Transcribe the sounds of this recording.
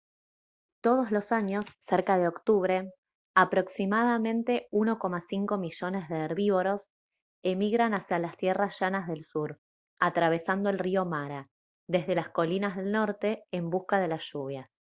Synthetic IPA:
t̪oð̞o̞zlo̞saɲo̞sːeɾkaðeo̞kt̪uβ̞ɾe̞ | apɾo̞ksimað̞amẽ̞nt̪e̞uno̞ko̞masiŋko̞miʒo̞nezðeːɾβiβo̞ɾo̞s | emiɣɾanasjalast̪jerasʒ̥anazðe̞lsuɾ | at̪ɾaβ̞e̞sand̪oe̞lrio̞maɾa | ðe̞zðe̞lasko̞linazðe̞lno̞ɾt̪eːmbuskaðe̞lasʒ̥uβ̞jas

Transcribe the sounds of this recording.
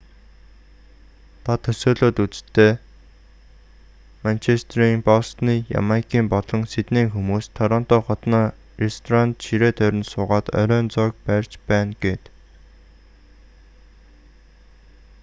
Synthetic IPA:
t̪ʰat̪ʰːɵsoːɮoːt̪ut͡st̪ʰːeː | mant͡ɕʰest̪ʰɾiŋpɔst̪niːja̰makʰiːmpɔɮɮɞ̆ŋset̪neːŋxumuːst̪ʰːœɾɔːnt̪ɔːχɔt̪nɔː | rest̪ʰɔɾant̪ʃiɾeːt̪ʰœɾʲɪ̆nsʊːʁaːt̪œ̰ɾœːnt͡sɔk̚pærʲt͡ɕpæːnɡet̪

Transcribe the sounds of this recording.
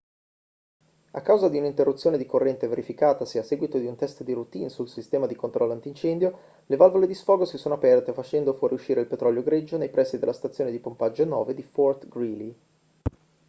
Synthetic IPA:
a̰kːawzad̪iunint̪erːut̪sːjoːned̪ikorːɛnt̪eveɾifikaːt̪asiasːɛːɡwit̪od̪iunt̪ɛst̪d̪irut̪insulsist̪ɛːmad̪ikont̪ɾʔɔlːant̪int͡ʃɛnd̪jo | levalvoled̪isfɔːɡosisoːnoapɛrt̪efat͡ʃɛnd̪ofwɔːɾiuʃːiːɾeilpet̪ɾɔljoɡɾed͡ʒːonejpɾɛsːid̪elːast̪at̪sjoːned̪ipompad͡ʒːonɔ̰ːved̪ifɔrt̪ɡɾili

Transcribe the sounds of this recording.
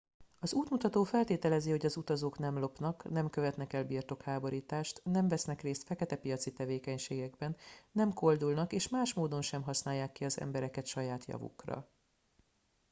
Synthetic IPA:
ɒzuːt̪mut̪ɒt̪oːfɛlt̪eːt̪ɛlɛziho̞ɟɒzut̪ɒzoːknɛmlo̞pnɒknɛmkøvɛt̪nɛkɛlbiːrt̪o̞khaːbo̞ɾiːt̪aːʃt̪nɛɱvɛsnɛkreːst̪fɛkɛt̪ɛpijɒt̪sit̪ɛveːkɛɲʃeːɡɛɡbɛnːɛmko̞ld̪ulnɒkeːʃmaːʃmoːd̪o̞nʃɛmɦɒsnaːjːaːkːiɒzɛ̰mbɛɾɛkɛt̪ʃɒjaːt̪jɒ̰vṵkrɒ̰

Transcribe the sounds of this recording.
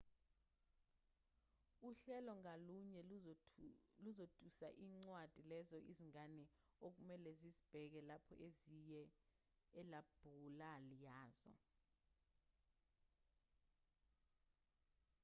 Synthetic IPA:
uɬɛlɔŋaluɲɛ | luzod̥ʰʼʱusa̰ʔiːŋ͡ǀwad̥ʱilɛzɔʔḭziŋanɛ | ok̬umɛlɛzizib̥ʱɛk̬ɛlapʰɔ̰ʔezijɛː | lab̥ʱulalijaːzɔ̰

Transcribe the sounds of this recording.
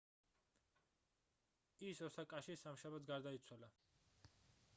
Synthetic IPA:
isɔsakʼaʃisamʃabat̪s̬ɡaɾd̪ait̪sʰwala

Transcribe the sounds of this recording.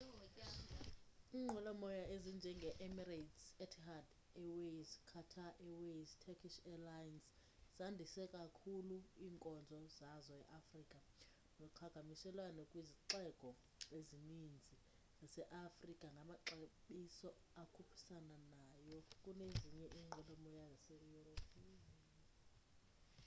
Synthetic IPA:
iŋ͡ǃʱɛlamɔjaezind͡ʒʱɛŋɡʱɛʔɛmiratsɛtʰhad | ɛwezkʰatʰaʔɛweztʰɛkʰiʃɛlajns | z̥andʱisɛkʼakʰuluiːŋkʼɔnd͡zʱɔzazɔɛʔafriːkʼa | nɔkʰaɡ̥ʱamisɛlwanɔkʼwiziǁɛɡ̥ʱɔ | ezinind͡zʱi | zasɛʔafrikʼaŋɡʱamaǁeɓisɔ | akʰupʰi̥sananajɔkʼuneziɲɛʔiŋ͡ǃʱɛlɔmɔjazasejuropʼiːni

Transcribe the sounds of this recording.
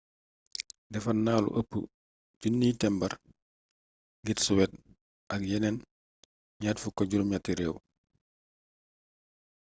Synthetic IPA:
dɛfɐnːaːlṵʔɐpːṵ | ɟunːiːtɛmbɐɾ | ɡitsuwɛt̚ | ʔɐk̚jɛnɛn | ɲaːtfukɔɟuɾumɲatːiɾɛːw

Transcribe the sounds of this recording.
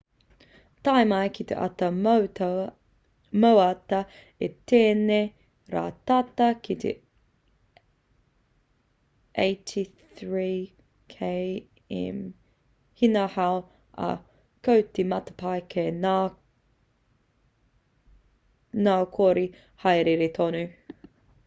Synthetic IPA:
t̪ajmɐjkʰit̪ḛʔa̰tɐw | mowɐtɐ | et̪eːne | ɾa̰ːt̪ɐtɐkʰit̪ʰḛ | ʔeɪtʰi | θɹiː | kʰej | ɛ̰m | hinɐhaw | ɐ̰ | kʰowt̪imɐt̪ɐ̥pʰajkʰena | nakʰoːɾi | hajɾeɾet̪ʰonʉ

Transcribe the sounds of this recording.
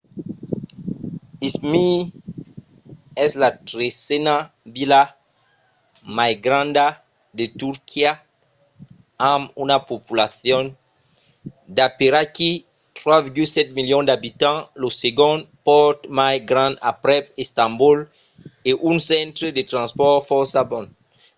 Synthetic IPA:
ismi | ɛslatɾesena | bila | majɡɾãnd̪a | d̪et̪uɾkʰia | ãmunapopulaθjɔ̃n | d̪apeɾaki | t̪ɾwaviɾɡylsɛt̪̚miljɔ̃nd̪abit̪ãloseɡɔ̃npɔt̪majɡɾãna̰pɾɛpest̪ãmbul | eʔũnsɛ̃nt̪ɾed̪et̪ɾãnspɔɾfɔɾsabɔ̃n

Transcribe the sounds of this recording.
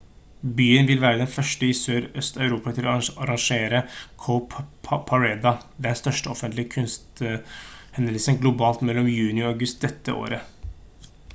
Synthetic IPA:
byːənʋɪlʋæːɾəd̪ɛnfœʂʈəɪsøːɾœst̪ɑʉɾuːpɑt̪ʰɪlɔɑɾɑŋʂeːɾəkʰoʊpʰpʰɑɹɛːd̪ɑd̪ɛnst̪œʂʈəɔfənt̪lɪkʰʉnst̪ | hɛnəlsənɡlʊbɑːlt̪mɛlːɔmjʉːnɪɑɡʉst̪̚d̪ɛt̪ːəʔo̰ːɾə

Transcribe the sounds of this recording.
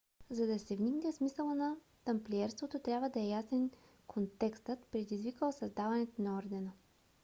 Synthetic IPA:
zɐd̪ɐsɛvniɡnɛfsmisəlˠənɐ | t̪ɐmplʲiɛɾst̪vot̪ot̪ɾʲabvəd̪ɐɛjasɛn | kʰont̪ɛkst̪ət̪pɾɛd̪izvikəlˠsɐzd̪avɐnɛt̪onɐɔɾd̪ɛnə

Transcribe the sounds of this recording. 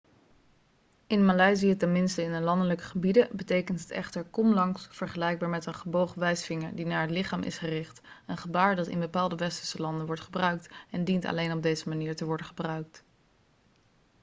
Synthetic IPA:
ɪnmalajzijətɛnmɪnstəɪnəlɑndələkə̥χəbidəbətejkəntɦətɛ̰χtəɹkɔmlɑŋsfəɹχəlɛjɡ̚baːɹmɛtənχəbowχəʋɛjsfɪŋəɹdinaːɹɦətlɪχaːmʔɪ̰sχərɪχtənχəbaːɹdɑtɪ̰nbəpaːlˠdəʋɛstə̥ɹsəlɑndənʋɔɹtχəbrœɥk̚tɛndintɑ̰lejnɔb̚dejzəmaniːɹtəʋɔɹdəχəbrœɥk̚t

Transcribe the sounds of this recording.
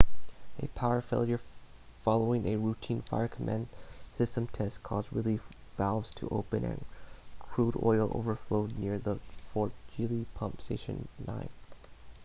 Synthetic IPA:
ɨ̰pʰaʊə˞feɪlˠjə˞fɑlˠoʊɪ̃ŋʔɨɹutʰĩnfa̰ɪə˞kʰəmʔæ̰̃nsɪstə̃mtʰɛskʰɔzɹilifvælˠvz̥tʰə̰ʔoʊpɨ̃nɨ̰̃nkʰɹ̥uɾɔ̰ɪl̩ˠo̰ʊvə˞floʊdⁿnɪɹðəfɔɹt̚ʒ̥ɪlˠipʰʌ̃mpsteɪʃɨ̰̃nːã̰ɪ̃n

